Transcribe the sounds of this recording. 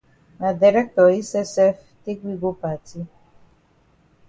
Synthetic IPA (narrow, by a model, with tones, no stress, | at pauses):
na˨di˨ɾɛ˦k̚tɔ˨i˦sɛ˦sɛ˦f | te˦kɡʷi˦ɡo˦pa˨ti˦